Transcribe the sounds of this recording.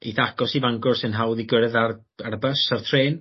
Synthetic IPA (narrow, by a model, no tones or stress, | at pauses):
iθakɔsivaŋɡɔrsɪnɦawðiɡəɾɛðar | arbəsartʰreːn